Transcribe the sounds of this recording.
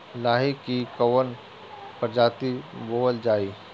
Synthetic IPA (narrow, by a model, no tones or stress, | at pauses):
laːɦikikɐwən | pəɾd͡ʒaːt̪iboːəld͡ʒaːiː